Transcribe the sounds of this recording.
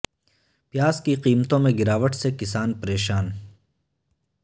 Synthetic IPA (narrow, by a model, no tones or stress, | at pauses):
pjaːskiqiːmət̪õmẽɡɪɾaːʋəʈsekɪsaːnpɐɾeːʃaːn